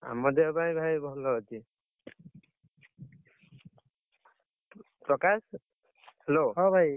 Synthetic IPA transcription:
a̰mɔd̪ebajbʱajbʱɔlɔat͡ʃi | pɹɔkas | heloɦɔbʱaj

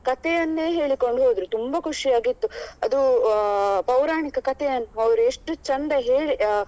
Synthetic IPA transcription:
kɐt̪ɛjɐnːe̞ːɦe̞ːɭiko̞ɳɖɦoːd̪ɾut̪umbɐkʰuʂijaːɡit̪ːuɐd̪u | pɐwɾaːɳikɐkɐt̪ɛjɐnːuɐʋɐɾueʂʈut͡ʃɐnd̪ɐɦe̞ːɭi

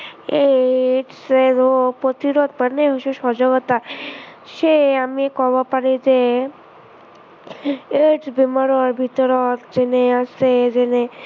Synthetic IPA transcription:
eʈseopɾot̪iɾod̪̚pəɾneɦoʃuʃɔd͡ʒoɡɔt̪a | ʃeamikɔbopaɾid͡ʒe | eʈsbimaɾaɾbʱit̪ɔɾɔt̪d͡ʒeneased͡ʒene

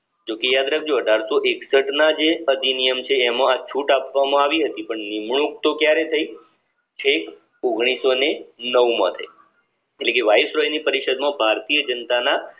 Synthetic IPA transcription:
d͡ʒokejad̪ɾək̚d͡ʒoəɖʱaɾsoʔeksəʈnad͡ʒeəd̪inijəmt͡ʃʰeːmãat͡ʃʰuʈapʋamãaʋiɦət̪ipəɳnimɳ̃ũk̚t̪okjaɾet̪ʰəji | t͡ʃʰek | oɡɳ̃isonenəʋmã̰t̪ʰə̰i | eʈlekeʋaisɾɔjnipəɾiʃəd̪mãbʱaɾt̪ijəd͡ʒənt̪ana

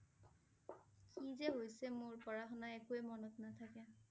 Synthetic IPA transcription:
kizɛɦojsɛmoɹpɔɹaxɔnaɛkuɛmɔnɔtnatʰakɛ

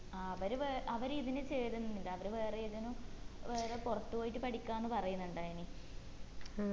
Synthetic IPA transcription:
aɐʋɐɾuʋeːʔɐʋɐɾiðinɨt͡ɕeːɾunːɐnːilːaɐʋɐɾuʋe̞ːreiðinuʋe̞ːrepurɐt̪ːupoːjiʈːɨpɐʈikʲːaːnːɨpɐrɐjunːuɳɖaːjɐni

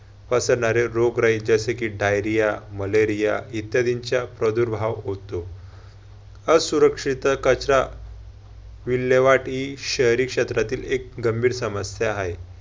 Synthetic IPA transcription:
pəsəɽɳaɾeɾoɡɾaid͡zəsekiɖajɾijaməleɾijait̪jad̪iɲt͡ɕjapɾəd̪uɾbʱaʋɦot̪o | əd͡zsuɾəkʂit̪əkət͡ɕɾa | ʋilːeʋaʈiɕəɦjɾikʂet̪ɾat̪iːlek̚ɡəmbʱiːɾsəməsjaɦaj

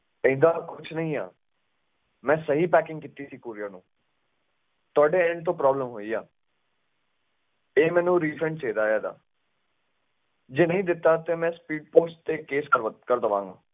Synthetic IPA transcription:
ə̃ːd̪aːkʊt͡ʃʰnəɦĩːa̰ː | mɛ̃ːsəɦiːpɛːkɪ̃ŋɡkɪt̪ːiːsiːkuːɾijənũː | t̪ʊaːɖeːɛ̃ɳɖ̚t̪̬õːpɾɔːbləmɦoːiːa̰ː | eːmɛ̃ːnũːɾiːpʰɾə̃ɳɖt͡ʃeːd̪aːjaːd̪a̰ː | d͡ʒeːnəɦĩːd̪ɪt̪ːaːt̪eːmɛ̃ːspiːɖpoːsʈt̪eːkeːskəɾkəɾd̪əʋã̰ːŋɡa̰ː

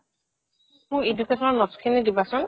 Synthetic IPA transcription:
mʊɹedukɛtʰɔnɔnɔskʰinidibasʊ̃n

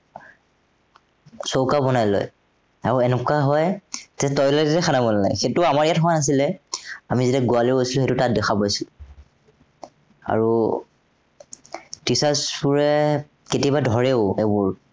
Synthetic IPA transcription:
sowkabɔnajlɔ̰j | aɹuɛnɛkaɦɔjtɛtɔjlɔtɛtɛxʰanabɔnana̰jxetʊamaɹijatxɔanas̬ilɛamizitɛɡualeɦojsiluxetʊtat̚dɛxʰapojsʊ | a̰ɹu | tisaspuɹɛ | ketiabadʱɔɹeʊebuɹ

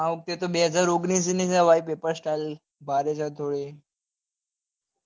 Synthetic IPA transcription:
ãʊk̚t̪et̪oɓeɦəd͡zaːɾoɡnis̬inẽsaʋaːipeːpəɾsʈaɪl | bʱaɾet͡ʃʰãt̪ʰoːɽe

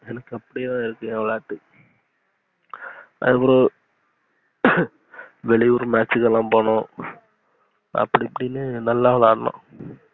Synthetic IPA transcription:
ɛnɐkːɐpːɐɽijet̪ãːɪɾɯkːɯʋɐɭaːʈːɯ | a̰ðɐpːɔɾõ | ʋɛɭɪuɾmaːt͡ʃːɯkːɛlːãːmpoːɳõː | ɐ̰pːɐɽiɐpːɐɽinːɯnɐlːaːʋɐlaːɽɐnõ̰ː

